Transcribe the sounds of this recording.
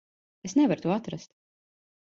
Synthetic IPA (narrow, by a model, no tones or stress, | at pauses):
esnɛvaɾt̪uɔat̪ɾast̪